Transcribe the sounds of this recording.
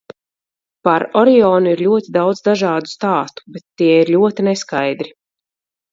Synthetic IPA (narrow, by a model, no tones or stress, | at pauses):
paɾɔɾɛɔːnuiɾlʲuɔt̪id̪awd̪zd̪aʒɑːd̪u̥st̪aːst̪u̥bet̪ːiɛiɾlʲuɔt̪inɛskajd̪ɾi